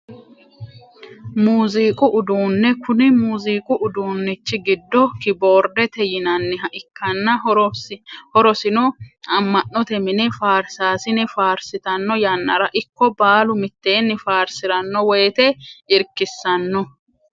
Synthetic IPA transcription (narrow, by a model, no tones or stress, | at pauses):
muːziːkʼʊʔʊd̪uːnːɛkʊnɪmuːziːkʼʊʔʊd̪uːnːɪt͡ʃːɪɡɪd̪ːɔkɪbo̞ːɾd̪ɛt̪ɛjɪnɐnːɪɦɐʔɪkʰːɐnːɐ | hɔɾɔsɪnɔɐmːɐnːɔt̪ɛmɪnɛfaːɾsaːsɪnɛfaːɾsɪt̪ɐnːɔjɐnːɐɾɐʔɪkːɔbaːlʊmɪt̪ːe̞ːnːɪfaːɾsɪɾɐnːɔwɛːt̪ɛɪɾkːɪsːɐnːɔ